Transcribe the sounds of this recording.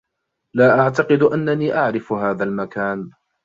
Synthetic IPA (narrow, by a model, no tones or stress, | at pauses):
laːʔaʕt̪ɑqɨd̪ʔanːaniːʔaʕɾɪfhaːðalmakaːn